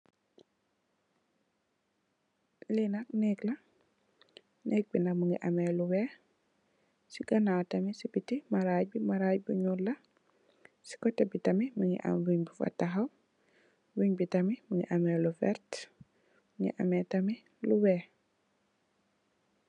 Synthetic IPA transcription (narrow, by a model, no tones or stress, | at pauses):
linak̚nɛklɐ | nʔɛːk̚binamuŋɡiʔamɛluwɛː | siɡɐnatɐmisibitimaɾaːɟbimaɾajbuɲulɐ | si̥kɔtɛbitɐmimuŋḭʔa̰mbuɲbifa̰tːaɦaw | wuɲbitɐmimuŋɡḭʔamɛlufɛ̰ɾt | muŋɡḭʔamɛtɐmi | luwɛ